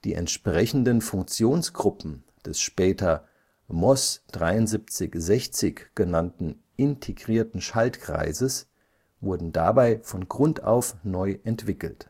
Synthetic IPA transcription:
d̥ḭːʔɛ̰ntʃpʁ̥ɛçn̩dənfʊŋk̚t͡sjoːnsɡ̥ʁʊpm̩ | d̥ɛsʃpɛːtʰɐ | mɔsd̥ʁaɪʊntzip̚t͡sɪçzɛçt͡sɪçɡ̥ənantn̩ | ʔɪntʰeɡʁiːɐtn̩ʃaltkʁ̥a̰ɪzəs | vʊɐdn̩dabaɪfɔnɡʁʊnta̰ʊfnɔʏʔɛntv̥ɪkl̩t

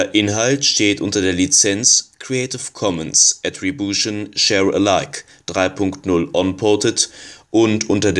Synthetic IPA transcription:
ɐʔɪnɦaltʃteːtʔʊntɐdeːɐlit͡sɛnt͡skʁ̥ieɪtɪfkʰɔmənsʔɛtʁibjuʃonʃɛʁə̰laɪk | d̥ʁaɪpʰʊŋktnʊlʔɔnpʰɔtətʔʊntʔʊntɐd

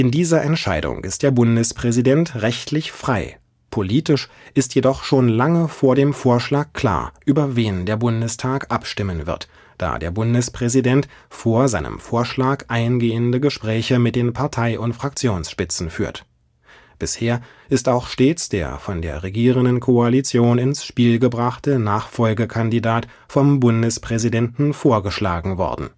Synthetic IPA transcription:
ʔɪndiːzɐʔɛntʃaɪdʊ̰ŋʔɪ̰st̚d̥eːɐbʊndəspʁ̥ɛzidɛntʁɛçtʰlɪçfʁ̥aɪ | pʰoliːtɪʃ | ʔɪstjedɔχʃoːnlaŋəfoːɐdeːmfoːɐʃlaːkkʰl̥a̰ːɐʔyːbɐveːndeːɐbʊndəstʰaːkʔapʃtɪmənvɪ̰ɐt | d̥a̰ːdḛːɐbʊndəspʁ̥ɛzidɛntfoːɐzaɪnə̰mfoːɐʃlaːkʔaɪnɡeːəndəɡəʃpʁ̥ɛːçəmɪt̚d̥eːnpʰaɐtʰaɪʔʊntfʁ̥ak̚t͡sjoːnsʃpɪt͡sn̩fyːɐt | b̥ɪsheːɐ | ʔɪstaʊxʃteːt͡sd̥ḛːɐfɔndeːɐʁeɡiːʁ̞əndən̩kʰoalit͡sjoːnɪnsʃpiːlɡəbʁaχtənaːχfɔlɡəkʰandidaːt | fɔmbʊndəspʁ̥ɛzidɛntn̩foːɐɡəʃla̰ːɡŋ̩vɔ̰ɐdn̩

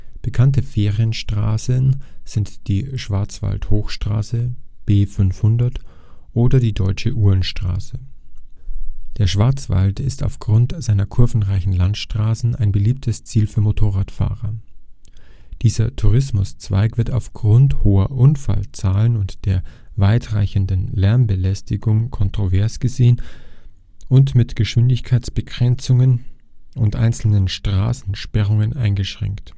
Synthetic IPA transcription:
b̥əkʰantəfeːʁiənʃtʁ̥a̰ːsənz̥ɪntd̥iːʃv̥aɐt͡sv̥a̰lthoːxʃtʁ̥a̰ːsəb̥eːfʏnfhʊndɐt | ʔoːdɐdiːdɔʏt͡ʃəʔuːɐnʃtʁ̥a̰ːsə | d̥eːɐʃv̥aɐt͡sv̥a̰ltɪsta̰ʊfɡ̥ʁʊntz̥aɪnɐkʰʊɐvn̩ʁaɪçn̩lantʃtʁ̥aːsn̩a̰ɪnbəliːp̚tʰəst͡siːlfyːɐmotʰoːʁaːtfa̰ːʁɐ | d̥iːzɐtʰuʁ̞ɪsmʊst͡sv̥a̰ɪkv̥ɪɐtaʊfɡ̥ʁʊnthoːɐʔʊnfa̰lt͡saːlənʊntd̥eːɐvaɪtʁaɪçəndənlɛɐmbəlɛstɪɡʊŋkʰɔntʁ̥ovɛɐsɡ̥əzeːən | ʔʊntmɪtɡ̥əʃv̥ɪndɪçkʰaɪt͡sb̥əɡʁ̥ɛnt͡sʊŋən | ʊntʔa̰ɪnt͡sl̩nənʃtʁ̥a̰ːsn̩ʃpɛʁ̞ʊŋənʔaɪnɡəʃʁ̥ɛ̰ŋkt

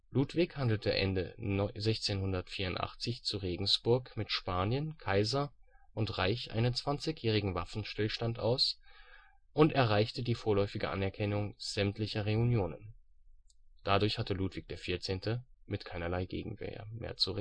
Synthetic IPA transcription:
luːtv̥ɪkhandl̩tʰəʔɛ̰ndəzɛçt͡seːnhʊndɐtfiːɐʊntʔa̰χt͡sɪçt͡suʁeːɡŋ̩sb̥ʊɐkmɪtʃpaːnjənkʰaɪzɐʔʊntʁaɪçʔa̰ɪnənt͡sv̥ant͡sɪçjɛːʁ̞ɪɡŋ̩vafn̩ʃtɪlʃtantʔaʊs | ʔʊntɛɐʁaɪçtədiːfoːɐlɔʏfɪɡə̰ʔanɛɐkʰɛnʊŋz̥ɛmtlɪçɐʁeunjoːnə̰n | d̥adʊɐçhatəluːtv̥ɪːk̚d̥eːɐfɪɐt͡seːntʰəmɪtkʰaɪnɐlaɪɡḛːɡŋ̩vɛ̰ːɐ̰mḛːɐt͡suʁe

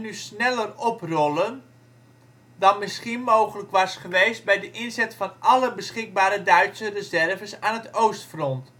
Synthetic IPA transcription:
nysnɛlərɔprɔlən | dɑnmɪsχinmowχələkʋɑsχəʋejst̚bɛjdəʔɪnzɛtfɑnʔɑləbəsχɪk̚baːɾədœɥtsərəzɛrvəsaːnətowstfrɔnt

